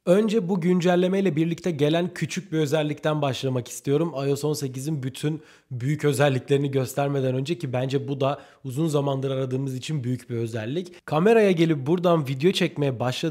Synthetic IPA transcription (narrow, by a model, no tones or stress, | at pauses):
ø̞nd͡ʒɛbuɟynd͡ʒælʲːe̞mɛjlʲɛbiɾlʲic̚t̪ʰɛɟe̞lʲæncʰyt͡ʃʰyc̚biø̞zɛlʲːict̪ʰænbaʃlˠamaki̥st̪ʰijo̞ɾumajo̞so̞nse̞cizinbyt̪ʰyn | byjycø̞zɛlʲːicʲlʲe̞ɾiniɟø̞st̪ʰæɾme̞d̪ænø̞nd͡ʒɛcibænd͡ʒɛbud̪a | uzunzamanlˠaɾɯaɾad̪ɯːmɯzit͡ʃʰinbyjycbiø̞zɛlʲːickʰame̞ɾajaɟe̞lʲip̚buɾd̪anvid̪ejo̞t͡ʃʰɛcme̞jɛbaʃlˠa